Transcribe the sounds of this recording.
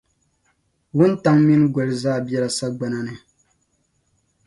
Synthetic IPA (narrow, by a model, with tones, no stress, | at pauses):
wʊ˦n˦ta˦ŋmi˦nɡʷɛ˨lɨ˦zaː˦˨bɛ˦ɾa˨sa˦ɡ͡ba˨na˦nɨ˨